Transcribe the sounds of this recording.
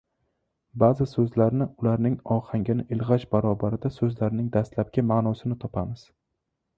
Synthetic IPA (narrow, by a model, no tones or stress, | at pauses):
bazɪsɵzlaɾnɪʊlaɾnɪŋɒhaŋɡʲanɪʔɪlʁat͡ʃbaɾɒbaɾɪd̪asɵzlaɾnɪŋd̪ast̪lap̚kʲamaːnɒsɪnɪt̪ʰɒpʰamɪz̥